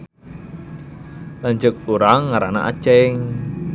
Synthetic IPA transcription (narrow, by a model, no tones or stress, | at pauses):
land͡ʒʊk̚uɾaŋːaɾana̰ʔa̰t͡ʃɛŋ